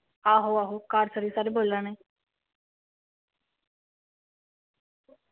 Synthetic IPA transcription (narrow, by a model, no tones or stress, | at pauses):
aɦoaɦokaːɾsəɾiːsaɾebolana